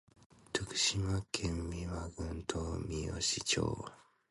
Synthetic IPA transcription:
tʰɯkɯ̥ɕimakʰemːimaɡɯntʰomio̰ɕit͡ʃo̰ːa

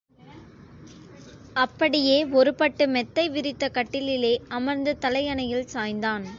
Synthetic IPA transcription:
ɐpːɐɽɪjeːɔɾɯpɐʈːɯmɛt̪ːɐɪʋɪɾɪt̪ːɐkɐʈːɪlɪleːɐmɐɾnd̪ɯt̪ɐlɐɪjɐnɐjɪlsaːjnd̪aːn

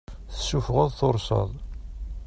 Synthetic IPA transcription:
θəsːufʁəðˤθoɾˤsə̰ðˤ

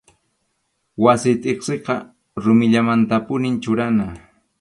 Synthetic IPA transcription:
wasɪt̪ʼeχseqɑ | ɾʊmɪʎamant̪apʊnɪnt͡ʃʊɾana

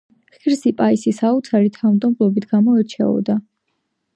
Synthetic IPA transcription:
χiɾsipʼaisisaut̪sʰaɾit̪ʰaumnt̪ʼɔmpʼlˠɔbit̪ʰɡ̥amɔɛɾt͡ʃʰɛ̰ɔ̰d̪a

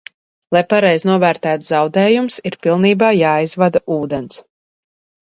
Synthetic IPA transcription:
lˠajpaɾɛjznuɔvæːɾt̪æːt̪zzɑwd̪ɛːjumsiɾpilˠniːbaːjaːjzvad̪aʔuːd̪ɛns

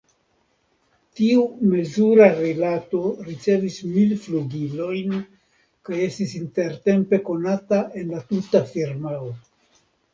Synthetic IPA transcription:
tiume̞zuɾaɾilato̞ɾit͡se̞vismilfluɡilo̞jn | kaje̞stisinte̞ɾte̞mpe̞ko̞nataʔe̞nlatutafiɾmao

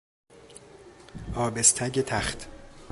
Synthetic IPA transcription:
ɒːbest̪ʰæɟet̪ʰæχt̪ʰ

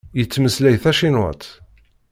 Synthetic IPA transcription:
jət͡sːməslæjθæʃinwə̰t̪

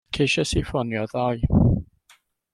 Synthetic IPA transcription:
kʰeʃɛsifɔnjɔðɔj

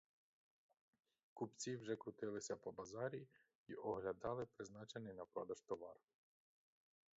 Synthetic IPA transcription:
kupt͡sʲiwʒɛkɾʊt̪ɪlˠɪsʲɐpɔbɐzɑɾʲi | iʔɔɦlʲɐd̪ɑlˠɪpɾɪznɑt͡ʃenɪjnɐpɾɔd̪ɐʒt̪ɔʋɑr

